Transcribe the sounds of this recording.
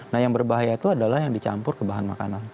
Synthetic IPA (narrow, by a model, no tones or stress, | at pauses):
nahjaŋbərbaɦajat̪uadalahjaŋdit͡ʃa̰mpʊrkəbaɦanmakanan